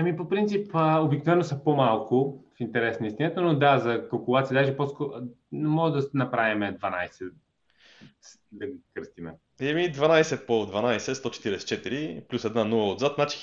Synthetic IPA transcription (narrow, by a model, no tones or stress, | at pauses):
ɐmipopɾint̪sipəobiknovɛnːosɐpomalˠkʰʊfint̪ɛɾɛsnəist̪ʲinət̪ənod̪azɐkɐlˠkʊlˠat̪siəd̪aʒɛposkɔ | nɛmɔʒd̪ɐnɐpɾavimɛd̪vɐnajsɛ | s | d̪ɐɡkəɾst̪imɛ̰ | ɛmid̪vanajsɛpod̪vɐnajsɛst̪ɔt͡ʃɛ̥t̪iɾɛsɛ̥t͡ʃɛt̪iɾiplʲusɛd̪nanulˠɐod̪zat̪nat͡ʃi̥